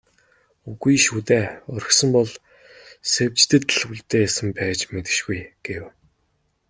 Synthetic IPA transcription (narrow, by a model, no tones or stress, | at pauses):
uɣujʃuːt̪eːɔr̆xsə̆mpɔɮ | sewʲt͡ɕt̪ɘ̆t̪ɮxuɮt̪eːjsə̆mpæːt͡ɕmet̪ɘ̥̆ʃɡujɡ̥ew